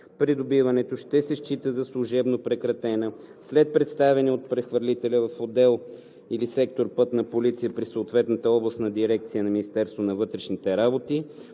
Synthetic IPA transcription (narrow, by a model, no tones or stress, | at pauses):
pɾid̪obivɐnɛt̪oʃt̪ɛsɛʃt͡ʃit̪əzɐslˠuʒɛbnopɾɛkɾɐt̪ɛnəslɛt̪̚pɾɛt̪st̪avɛniot̪̚pɾɛxvəɾlʲit̪ɛlʲəvɐfod̪ɛlˠ | ilisɛkt̪oɾpɤt̪nɐpolit̪sijəpɾisoːt̪vɛt̪nət̪əɔblˠəst̪nɐd̪iɾɛk̚t̪sijənɐminist̪ɛɾst̪vonɐvɤt̪ɾɛʃnit̪ɛɾabot̪i